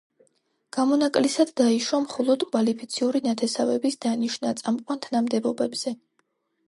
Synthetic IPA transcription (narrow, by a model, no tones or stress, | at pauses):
ɡ̥amɔnakʼlisad̪ːaiʃwamχɔlˠɔd̪̥kʼvalipʰit̪sʰiuɾinat̪ʰɛsavɛbisd̪aniʃnat̪sʼamqʼwant̪ʰnamd̪ɛbɔbɛbz̥ɛ